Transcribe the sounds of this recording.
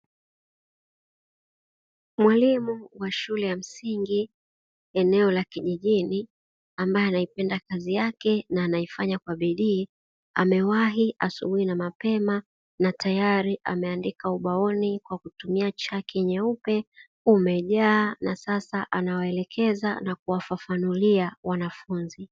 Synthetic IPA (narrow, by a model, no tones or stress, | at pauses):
mwalimuwaʃulɛjam̩siŋɡi | ɛnɛɔlakiʄiʄini | ambajɔanaipɛndakazijakɛnaːnaifaɲakwaɓiɗiː | amɛwaɦiʔasṵɓuinamapɛma | natajaɾiʔa̰mɛandikauɓaɔnikwakutumiat͡ʃakʰɛɲɛupɛ | umɛʄaːnasasaʔanawaɛlɛkʰɛzanakuwafafanuliawanafunzi